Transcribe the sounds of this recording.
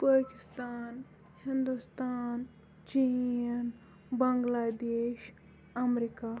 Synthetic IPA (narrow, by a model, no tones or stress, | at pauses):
paːkɪst̪aːn | hind̪ust̪aːn | t͡ʃin | bɐŋɡlaːd̪eːʃ | ɐmɾika